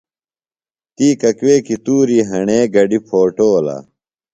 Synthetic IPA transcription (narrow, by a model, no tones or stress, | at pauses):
t̪iːkɐkweːkit̪uːɾiːɦɐɳeːɡɐɖipʰoːʈoːla̰ː